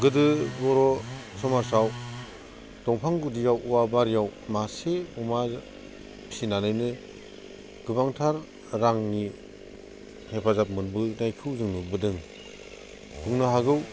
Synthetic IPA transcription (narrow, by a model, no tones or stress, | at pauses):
ɡɯdɯbɔɾɔsɔmaɾsaw | d̥ɔŋpʰaŋɡudijawʔuabaɾijawmaseuma | sinanɯjnɯ | ɡ̥ɯbaŋtʰaɾː | aŋni | hepʰazap̚mɯnbɯnajkʰɯwzɯŋnubɯdɯŋ | huŋnɯɦaɡɯw